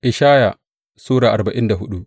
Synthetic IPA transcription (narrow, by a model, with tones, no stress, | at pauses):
ʔɪ˨ʃaː˦ja˨ | suː˦ɽaː˨ʔa˨ba˨ʔɪ˦nda˨ɦʊ˦ɗu˦ʔ